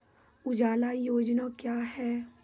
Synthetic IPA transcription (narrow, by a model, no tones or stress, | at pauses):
ʊd͡ʒaːlajoːd͡ʒnakjaːɦɛː